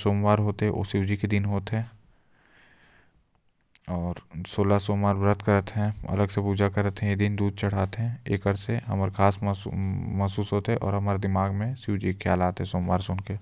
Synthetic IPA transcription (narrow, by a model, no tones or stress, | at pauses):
soːmʋaːɾɦoːt̪eɦɛʔo̰ːsɪʋwd͡ʒiked̪ɪnɦoːt̪ɦɛ̃ː | ɔːɾsoːlasoːmaːɾbɾət̪ʰkəɾət̪ɦɛ̃ɐ̰ləɡsepuːd͡ʒakəɾət̪ɦɛ̃jed̪ɪnd̪uːd̪̚t͡ʃɐɽ̤aːt̪eɦɛ̃ḛːkəɾseɦɐməɾkʰaːs | mɐɦsuːsɦoːt̪ɦɛ̃ʔɔ̰ːɾɦɐmaːɾed̪ɪmaːɡmẽsɪwd͡ʒikʰaːlaːt̪ɦɛ̃soːmʋaːɾsʊnke